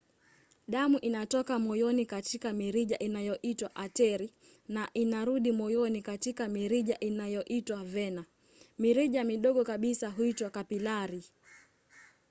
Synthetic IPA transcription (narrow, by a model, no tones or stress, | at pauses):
ɗamuʔinatɔkamɔjɔnikatikamiɾiʄaʔinajɔʔitwaʔatɛɾi | naʔinaɾuɗimɔjɔnikatikamiɾiʄaʔinajɔʔitwavɛna | miɾiʄamiɗɔɠɔkaɓisaɦuitwakapilaɾi